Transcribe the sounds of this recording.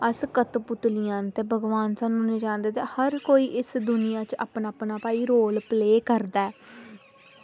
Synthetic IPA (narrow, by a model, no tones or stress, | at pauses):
əskət̪pʊt̪lɪjãːnt̪eːbʱəɡʋaːnsaːnũːnɪd͡ʒãːnd̪eːt̪eːhəɾkoːiːʔɪsd̪ʊnɪjãːt͡ʃa̰ːpnaːpnaːpaːiːɾoːlpleːkəɾd̪aːɛː